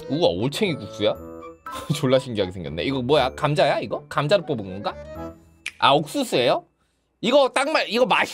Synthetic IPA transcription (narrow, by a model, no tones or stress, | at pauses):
ua̰oɭt͡ɕʰeŋikuk̚s͈uja | t͡ɕoɭːaɕʰinɡiɦaɡesʰe̞ŋɡjʌnːḛiɡʌmwʌjakamd͡ʑajaiɡʌkamd͡ʑaɾɯɭp͈ʌbɯnɡʌnɡa | a̰ok̚s͈us͈uejo | iɡʌt͈aŋmaɾiɡʌmaɕʰ